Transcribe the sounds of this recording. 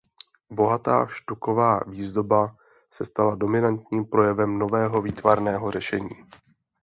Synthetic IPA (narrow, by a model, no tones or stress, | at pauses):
bo̞ɦat̪a̰ːʃt̪uko̞vaːviːzdo̞ba | sɛst̪alado̞mɪnant̪ɲiːmpɾo̞jɛvɛmno̞vɛːɦo̞viːt̪vaɾnɛːɦo̞r̝ɛʃɛɲiː